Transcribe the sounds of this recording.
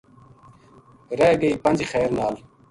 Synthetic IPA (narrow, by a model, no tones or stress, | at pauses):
ɾeːɡeipɐnd͡ʑixɛːɾnaːl